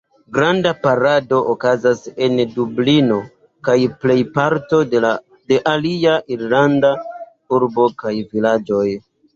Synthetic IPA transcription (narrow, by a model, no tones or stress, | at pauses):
ɡɾandapaɾado̞ʔokazase̞ndublino̞ | kajple̞jpaɾto̞ | de̞ʔaliaʔiɾlanda | uɾbo̞kajvilad͡ʒo̞j